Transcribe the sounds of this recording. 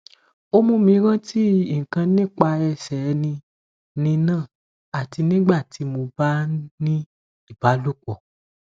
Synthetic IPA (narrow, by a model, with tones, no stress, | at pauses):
o˦mũ˧˦mĩ˧˦ɾã˦ti˦i˦˨ŋ̩˨kã˧nĩ˦˨k͡pa˧ɛ˧sɛ˨˦nĩ˧ | nĩ˧nãː˦˨ | a˨ti˧nĩ˦ɡ͡ba˦˨tʰi˨˧˦mo˧ba˦nĩ˦ | i˦˨ba˨˦lu˦˨k͡pɔ˨